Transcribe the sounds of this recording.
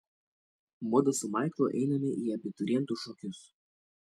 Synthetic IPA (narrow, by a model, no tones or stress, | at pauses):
mɔd̪ɐsʊmɑˑɪklˠoːʔɛ̰ɪnɐmʲɪʔiːɐbʲɪt̪ʊɾʲiɛnt̪ʊʃɔkʲʊs